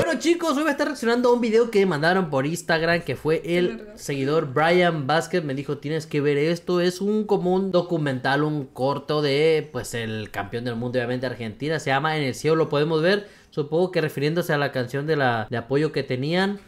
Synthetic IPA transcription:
bwe̞not͡ʃikosojβest̪areaksjo̞nand̪oumbiðe̞o̞kemãnd̪aɾo̞mpo̞ɾinst̪aɣɾamke̞fwe̞ʔel | se̞ɣiðo̞ɾbɾajambaske̞t̪̚me̞ðixo̞t̪je̞neske̞βe̞ɾe̞st̪o̞e̞suŋko̞mound̪o̞kumẽnt̪aluŋko̞ɾt̪o̞ðe̞pwe̞se̞lka̰mpjo̞nd̪e̞lmund̪omnt̪eaɾxe̞nt̪inaseʝamaene̞lsje̞olo̞po̞ðe̞mo̞zβe̞ɾ | supoŋɡo̞ke̞re̞fiɾjend̪o̞se̞alakansjo̞nd̪e̞lad̪eapo̞ʝo̞ke̞t̪e̞nian

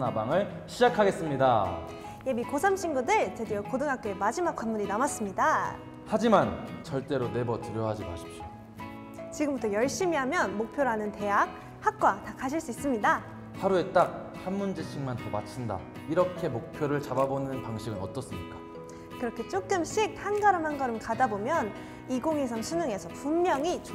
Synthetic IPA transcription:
nabaŋɯɭ | ɕʰid͡ʑakʰaɡe̞s͈ɯmɲida | jemikosʰamɕʰiŋɡudɯɭtedejokodɯŋɦak̚k͈e̞mad͡ʑimak̚k͈wanmuɲinamas͈ɯmɲida | had͡ʑimant͡ɕʌɭt͈e̞ɾone̞bʌtɯɾjʌɦad͡ʑima̰ɕʰi̥p̚ɕo̥ | t͡ɕiɡɯmbutʰʌjʌɭɕ͈imiɦamjʌnmok̚pʰjoɾɦanɯnte̞ɦak̚ | hak̚k͈watakʰaɕ̬ʰiɭs͈uis͈ɯmɲida | haɾue̞t͈ak̚ | hanmund͡ʑet͡ɕʰiŋmantʌmat͡ɕʰinda̰ | iɾʌkʰe̞mok̚pʰjoɾɯɭt͡ɕababonɯnpaŋɕʰiɡɯnʌt͈ʌs͈ɯmɲik͈ḁ | kɯɾʌkʰe̞t͡ɕ͈ok̚k͈ɯmɕʰik̚hanɡaɾɯmɦanɡʌɾɯmkadabomjʌn | iɡoŋesʰaŋɕʰinɯŋe̞sʰʌpummjʌŋit͡ɕ

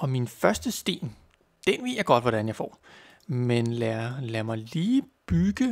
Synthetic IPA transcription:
ɒ̽minfɶɐsd̥əsd̥e̝̰ːn | d̥enʋe̝ð̰ˠjɑ̈ɪɡ̥ɒ̽d̥ʋɒɾ̥ænjɑ̈ɪfɒ̰ː | menlæɐlæɐmɑ̈ɪliːb̥yɡ̥ə

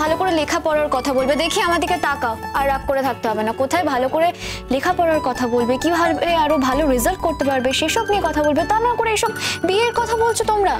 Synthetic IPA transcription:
bʱalokoɾelekʰapɔɽaɾkɔt̪ʰabolbed̪ekʰiamad̪iket̪akaaɾːak̚koɾet̪ʰak̚t̪eɦɔbenakot̪ʰaebʱalokoɾe | lekʰapɔɽaɾkɔt̪ʰabolbekibʱaɾbeaɾobʱaloɾizalʈ̚koɾt̪epaɾbeʃeʃɔkniekɔt̪ʰabolbet̪anakoɾeeʃɔbbieɾkɔt̪ʰabolt͡ɕʰot̪omɾa

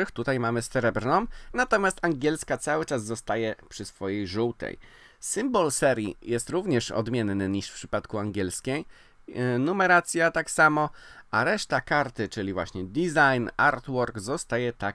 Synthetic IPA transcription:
ɘxt̪ut̪ajmamɘsɛɾɛbɾnɔ̃mnat̪ɔmʲjast̪aŋɡʲɛlskat̪sawɘt͡ʂazːɔst̪ajɛpʂɘsfɔjejʐuwt̪ɛ̰j | sɘmbɔlsɛɾʲjḭjɛst̪ɾuvɲɛʂɔ̰d̪mʲjɛnːɘɲiʂfpʂɘpat̪kuaŋɡʲjɛlskʲɛj | numɛɾat̪sʲjat̪aksamɔaɾɛʂt̪akaɾt̪ɘt͡ʂɘlʲivwa̰ɕɲɛd̪izajnaɾt̪wɔɾɡzɔst̪ajɛt̪a

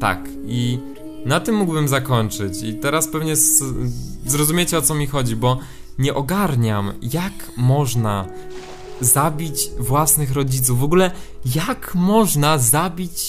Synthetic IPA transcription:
t̪a̰k | i | nat̪ɘmːuɡbɘmzakɔɲt͡ʂɘt͡ɕit̪ɛɾaspɛvɲɛs | zɾɔzumʲet͡ɕɛɔt̪sɔmʲixɔd͡ʑibɔ | ɲɛʔɔɡaɾɲamjak | mɔʐna | zabʲit͡ɕvwasnɘxɾɔd͡ʑit̪sufvɔɡulɛjakmɔʐnazabʲit͡ɕ

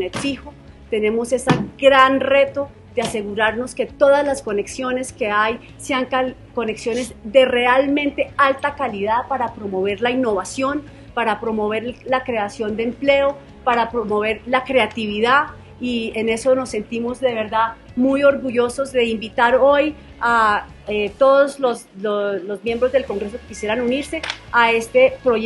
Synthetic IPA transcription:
oneɾfiho̞ | t̪e̞ne̞mo̞se̞saɡɾanre̞t̪o̞ | d̪̥ease̞ɣuɾaɾno̞ske̞t̪o̞ðazlasko̞ne̞ksjo̞ne̞ske̞aj | se̞aŋka | ko̞ne̞ksjo̞ne̞zd̪e̞re̞almẽ̞nt̪e̞alt̪akaliðapaɾapɾo̞mo̞β̞e̞ɾlainːo̞βasjo̞n | paɾapɾo̞mo̞β̞e̞ɾlakɾe̞asjo̞nd̪emple̞o̞ | paɾapɾomo̞βe̞ɾlakɾe̞at̪iβiða | iene̞so̞no̞sːe̞nt̪imo̞zd̪e̞β̞e̞ɾd̪a | mujo̞ɾɣuʝo̞so̞zd̪e̞imbit̪aɾo̞j | a | et̪o̞ðozlosolozmje̞mbɾo̞zd̪e̞lko̞ŋɡɾe̞s̬okekisje̞ɾanuniɾse̞ae̞st̪e̞pɾo

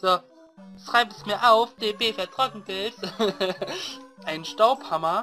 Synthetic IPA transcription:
d̥a | ʃʁ̥aɪpəsmiːɐʔaʊfd̥eːbeːfɛɐtʁ̥ɔkŋ̩bɪls | ʔaɪnʃtaʊphamɐ

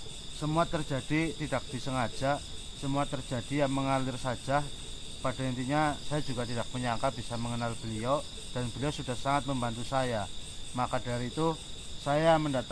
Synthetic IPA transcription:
səmuat̪ərd͡ʒad̥it̪id̥ak̚d̥isəŋḁd͡ʒ̥aʔsəmuat̪ərd͡ʒad̥ijaməŋalɪrsḁd͡ʒ̥ah | pad̥aint̪iɲasajad͡ʒuɡat̪idak̚məɲaŋkabisaməŋənalb̥əliɔ | d̥anbəliɔsud̥ahsaŋat̪̚məmbant̪usajamakadaɾiːt̪usajaməndat̪

